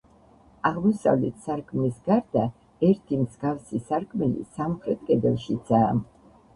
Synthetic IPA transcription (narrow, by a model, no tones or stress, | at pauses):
aʁmɔsa̰vlɛt̪ʰsaɾkʰmnisɡaɾd̪a | ɛɾt̪ʰimzɡafsisaɾkʰmɛlḭsamχɾɛt̪̚ʰkʼɛd̪ɛlˠʃid̪saːm